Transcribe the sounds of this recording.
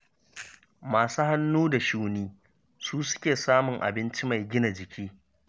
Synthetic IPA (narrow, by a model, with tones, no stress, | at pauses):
maː˨su˦ha˦nːuː˦da˨ʃuː˦niː˦ | suː˦sʊ̥˦kʲeː˨saː˦mʊ˨ŋʔa̰˨bɪ˦nt͡ʃi˦ma˨jɡʲɪ˦na˨d͡ʒɪ˨kʲiː˦